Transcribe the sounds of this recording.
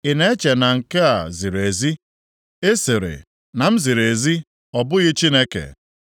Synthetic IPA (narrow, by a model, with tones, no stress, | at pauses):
ɪ˨ne˦e˦t͡ʃe˨na˨ŋ̩˨ke˦a̰˨zi˨ɾe˨zi˦ | e˦sɪ˨ɾɪ̰˨ | na˨m̩˦zi˨ɾe˨zi˦ | ɔ˨bʊ˦ɣɪ˦t͡ʃi˦ne˦kḛ˨